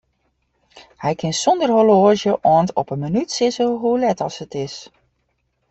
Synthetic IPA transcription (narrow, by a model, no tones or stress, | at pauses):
hɛjkʰɪnsɔndərɦoloːʒjəʔɔəntɔpənmənytsɪsəɦulɛtɑlˠsətɪs